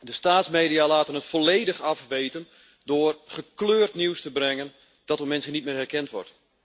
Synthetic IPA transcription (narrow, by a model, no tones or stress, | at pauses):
dəstaːtsmeːdijalaːtənətfolejdəxɑfʋeːtən | dʊːrχəkløːrtniwstəbrɛŋən | d̥ɔtomɛnsənit̚mɪːrɛrkɛntʋɔ̰rt